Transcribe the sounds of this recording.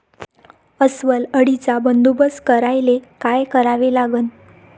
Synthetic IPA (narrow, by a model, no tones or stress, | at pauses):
əsʋələɽit͡sabənd̪ubəskəɾajlekajkəɾaʋelaɡən